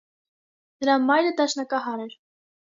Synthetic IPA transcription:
nəɾɑmɑjɾəd̪ɑʃnɑkɑɦɑɾɛɾ

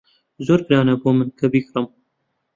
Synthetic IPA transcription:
zoːɾkɾaːnɐboːmɨnkʰɐbiːkrɨm

